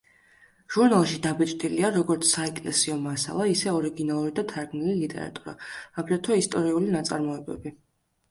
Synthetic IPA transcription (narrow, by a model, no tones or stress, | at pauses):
ʒ̥uɾnalˠʃid̪abɛt̪ʼd̪ʼiliaɾɔɡɔɾt̪sʰsaɛkʼlɛsiɔmasa̰lˠaisɛɔɾiɡinalˠuɾid̪at̪ʰaɾɡmnililit̪ʼɛ̰ɾa̰t̪ʼuɾa̰ːbɾɛt̪ʰɔist̪ʼɔɾiulinat̪sʼa̰ɾmɔɛbɛ̰bi